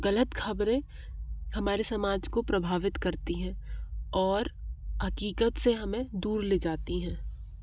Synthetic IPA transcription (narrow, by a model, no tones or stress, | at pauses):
ɣɐlət̪xʰɐbɾẽ | hɐmaːɾesɐmaːd͡ʒkopɾɐbʱaːʋɪt̪kɐɾt̪iɦɛ̃ːɔːɾɦɐkiːkət̪seɦɐmẽd̪uːɾleːd͡ʒaːt̪iɦɛ̃ː